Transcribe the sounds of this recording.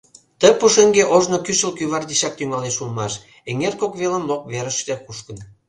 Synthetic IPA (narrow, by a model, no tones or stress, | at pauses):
t̪ə̆puʃĕŋɡeʔoʒnokyʃə̆lkyβɑrd̪iɕɑk̚t̪yŋɑleʃulmɑʃ | eŋerkokβelə̆mlok̚βeɾə̆ʃt̪ĕkuʃkə̆n